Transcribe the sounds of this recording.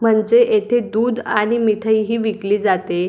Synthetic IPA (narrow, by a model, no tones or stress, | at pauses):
m̤əɳd͡zeʔet̪ʰed̪uːd̪aɽ̃imiʈʰəiɦiːʋikliːd͡zat̪e